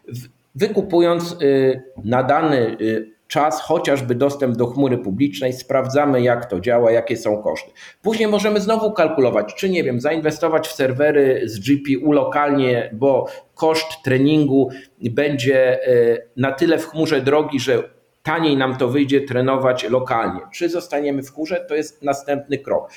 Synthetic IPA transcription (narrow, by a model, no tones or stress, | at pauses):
vɘkupujɔnt̪s | nad̪anɘ | t͡ʂasxɔt͡ɕaʐbɘd̪ɔst̪ɛmb̚d̪ɔxmuɾɘpublʲit͡ʂnɛjspɾavd̪zamɘjakt̪ɔd͡ʑawajakʲɛsɔ̃w̃kɔ̰ʂt̪ɘ̥ | puʑɲejmɔʐɛmɘznɔvukalkulɔvat͡ɕt͡ʂɘɲɛvʲjɛmzainvɛst̪ɔvat͡ɕfsɛɾvɛɾɘzd͡ʐipʲiʔulɔkalɲɛbɔkɔʂt̪ːɾɛɲiŋɡubɛɲd͡ʑɛ | nat̪ɘlɛfxmuʐɛd̪ɾɔɡʲiʐɛ | t̪aɲejnamt̪ɔvɘjd͡ʑɛt̪ɾɛnɔvat͡ɕlɔkalɲɛt͡ʂɘzɔst̪aɲɛmɘfxmuʐɛt̪ɔjɛst̪̚nast̪ɛmp̚nɘkɾɔ̰k